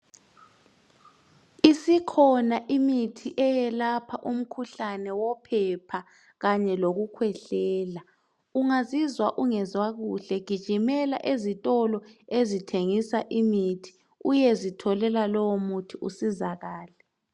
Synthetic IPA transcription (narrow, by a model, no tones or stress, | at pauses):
isikʰɔnaʔimitʰiʔɛjɛlapʰaʔum̩kʰuɬanɛwɔpʰɛpʰa | ɣaɲɛloɣukʰwɛɬɛːla | uŋazizwaʔuŋɛzwaɣuɬɛɡ̥ʱid̥ʒ̥ʱimɛla̰ʔezitʼɔlɔezitʰeŋisaʔimitʰi̥ | ujɛzitʰɔlɛlalɔwomutʰiʔusizaɣaːlɛ